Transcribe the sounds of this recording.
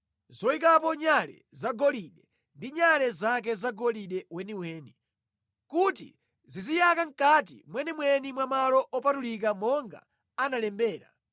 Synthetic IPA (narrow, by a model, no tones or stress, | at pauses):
zɔikapɔɲalɛ̰zaɡɔliɗɛ | ndiɲalɛzak̬ɛzaɡɔliɗɛwɛniwɛːni | kut̬ḭ | zizijakaŋ̩kat̬ḭmwɛnimwɛnimwamalɔʔɔpatulikamɔŋɡa̰ | analɛmbɛːɾa̰